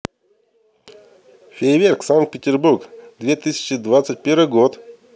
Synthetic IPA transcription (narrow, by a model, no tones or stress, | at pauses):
fʲevʲerksaŋkt̪̚pʲɪtʲɪrburkd̪vʲet̪ɨsʲɪ̥t͡ɕɪd̪vat̪sət̚ʲpʲeɾvɨjɡot̪